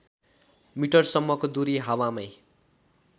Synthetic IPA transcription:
miʈʌrsʌmːʌkod̪uɾiɦawamʌj

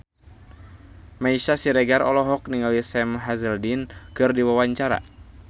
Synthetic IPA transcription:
maiʃasiɾɛɡaɾɔ̰lɔɦɔk̚niŋawisɛmɦazɛldinkɨrdiwawaɲt͡ʃaɾa̰

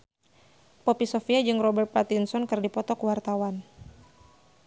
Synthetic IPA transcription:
pɔpisɔfiad͡ʒɨŋrɔbɛrt̪̚pat̪insɔnkɨrdipɔt̪ɔkuwart̪awan

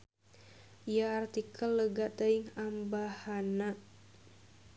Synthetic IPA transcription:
ʔijaːrt̪ikʰəlːəɡaʔt̪əiŋambahana

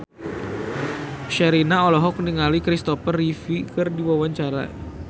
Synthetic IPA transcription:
ʃɛɾinaɔlɔɦɔk̚niŋalikɾist̪ɔfərːifikɨrdiwawaɲt͡ʃaɾa̰

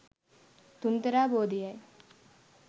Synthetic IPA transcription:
t̪unt̪ɐɾaːboːd̪ijaj

